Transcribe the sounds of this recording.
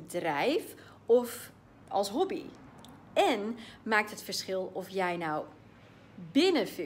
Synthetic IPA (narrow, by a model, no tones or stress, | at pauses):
ədrɛjf | ɔf | ɔlˠsɦɔbḭ | ɛnmaːk̚tɦətfərsχɪlˠɔfjɛjnaw | bɪnəfi